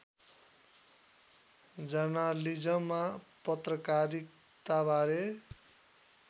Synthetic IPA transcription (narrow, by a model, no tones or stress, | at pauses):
d͡zʌnalid͡zʌma | pʌt̪rʌkaɾik | t̪abʱaɾe